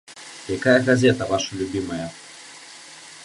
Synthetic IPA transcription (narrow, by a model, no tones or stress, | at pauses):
jɐkajɐɣɐzʲet̪ɐvaʂɐlʲʊbʲimɐjɐ